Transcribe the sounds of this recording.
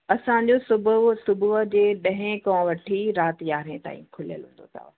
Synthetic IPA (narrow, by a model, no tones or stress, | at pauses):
ɐsãɲ̆d͡ʑosʊbʱʊsʊbʱuɦd͡ʑeːɗɐ̃ɦɪ̃kɔ̃ʋɐʈʰiɾaːt̪jaːɾẽt̪a̰ːĩkʰʊlijəlɦũːnd̪o̰t̪ʰa̰ː